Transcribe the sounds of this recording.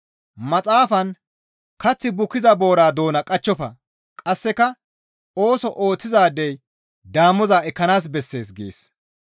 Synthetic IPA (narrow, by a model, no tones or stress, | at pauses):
mɐt͡sʼaːfɐn | kɐt͡sːɪbʊkːɪzɐbo̞ːɾaːd̪o̞ːnɐkʼɐt͡ʃːɔfɐ | kʼɐsːɛkɐ | o̞ːsɔʔoːt͡sːɪzaːd̪ːɛj | d̪aːmːɔzaːɛkːɐnaːs̬bɛsːe̞ːs̬ɡḛːs